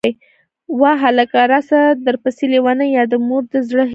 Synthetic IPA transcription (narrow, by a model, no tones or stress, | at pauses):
j | wɑɦalakaɾasad̪əɾpəsilewanəjɑd̪əmoɾd̪əzɽəɦ